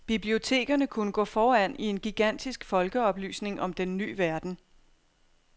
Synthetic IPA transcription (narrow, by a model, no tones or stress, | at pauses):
b̥ib̥lio̝t͡sʰe̝̰ːɡ̥ɐnəkʰunəɡ̥ɔ̰̽ːfɒːæn̰ie̝nɡ̥iɡ̥æn̰d̥isɡ̥fɒ̽lɡ̥əɒ̽b̥ly̰ːsne̝ŋʔɒ̽md̥enːy̰ːʋæɐd̥n̩